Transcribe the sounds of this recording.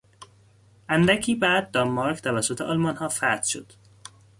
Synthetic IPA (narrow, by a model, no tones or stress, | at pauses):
ʔænd̪æcʰiːbæːd̪̚ːɒmmɒɾkʰt̪ʰævæsːot̪ʰeʔɒːlmɒnhɒːfæɾt̪ʃo̰d̪̥